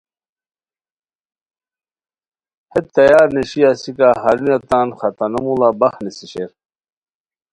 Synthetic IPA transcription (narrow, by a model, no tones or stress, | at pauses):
het̪ːɐjaːɾneɕiasikaɦɐɾinɐt̪aːnxɐt̪ɐnɐmulabɐxnesiɕeɾ